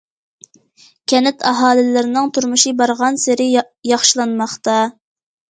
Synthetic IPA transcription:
kʲʰɛnɪt̪ʰɑɦɑːlɪlɪɾɪnɪŋt̪ʰuɾmuʃibɑɾʁɑnsɪɾɪ | jɑχʃilˠɑnmɑχt̪ɑ

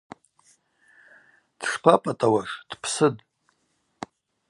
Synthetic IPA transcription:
d̥ʂpʰapʼatʼawaʂd̥pʰsɨd

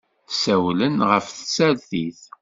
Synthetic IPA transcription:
θsæwlənʁəfθəsælθiθ

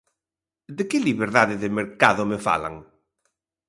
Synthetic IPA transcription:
d̪ɪkɪliβeɾðaðɪðɪmeɾkaðʊmefa̰la̰ŋ

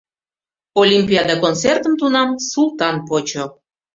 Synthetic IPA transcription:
olʲimʲpʲijɑd̪ɑkont͡sert̪əmt̪unɑmsulˠt̪ɑnpot͡ɕo

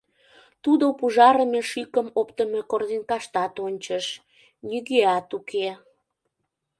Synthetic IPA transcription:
t̪ud̪opuʒɑɾəmeʃikəmopt̪əmekord̪inkɑʃt̪ɑt̪onʲt͡ɕəʃ | niɣeɑt̪ukʰe

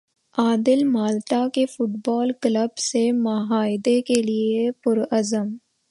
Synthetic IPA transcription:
aːd̪ɪlmaːlt̪akefʊʈbɔːlkləbsemɐɦaːɪd̪ekeliepʊɾɐzəm

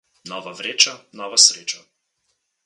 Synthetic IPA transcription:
nɔːʋaʋɾeːt͡ʃanɔʋasɾeːt͡ʃa

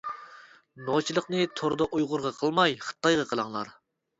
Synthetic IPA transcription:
not͡ʃʰilˠəqnɨt̪ʰoɾd̪ɑʔujʁʊɾʁɑqʰəlˠmɑjχə̥t̪ːɑjʁɑqʰəlˠɑŋlˠɑɾ

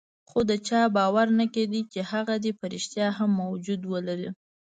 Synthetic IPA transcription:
xod̪ət͡ʃɑbɑwaɾnaked̪it͡ʃehaɣad̪epaɾiʃt̪jɑɦamːawd͡ʒud̪wəlaɾi

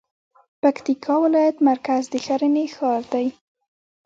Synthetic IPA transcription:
pakt̪ikʰɑwɪlɑjat̪maɾkazd̪əxaɾənexɑɾd̪aj

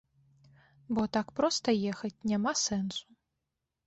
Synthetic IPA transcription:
bɔt̪akpɾɔst̪ɐjɛxɐt͡sʲnʲamasɛnsu̥

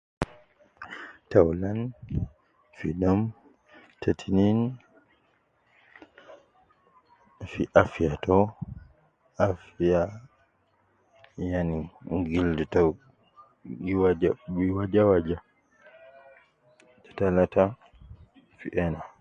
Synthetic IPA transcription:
tawlan | fiɗɔm | tʰatʰinin | fiʔafijatɔ | afija | janiɡildɛtɔ | wad͡ʒabiwad͡ʒawad͡ʒa | tɔ̥talata | fiʔɛna

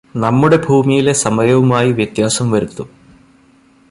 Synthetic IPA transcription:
nɐmːuɽe̞bʱuːmijile̞sɐmɐjɐʋumaːjiʋjɐt̪jaːsɐmʋɐɾut̪ːu

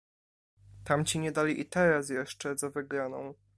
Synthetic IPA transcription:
t̪amt͡ɕiɲɛd̪alʲiʔit̪ɛɾas̬jɛʂt͡ʂɛzavɘɡɾanɔ̃w̃

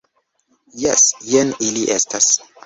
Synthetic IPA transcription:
jɛsjeniliʔestas

